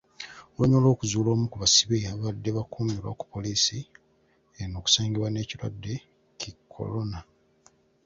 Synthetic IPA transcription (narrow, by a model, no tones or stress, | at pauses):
woɲo̞lo̞ːkuzuːlo̞ːmukuβasiβejaβadːe̞βakuːmilwa̰ku̥po̞liːsi | eno̞ːku̥saːŋɡiβwane̞ːcilwadːe̞ | cikʰːo̰lona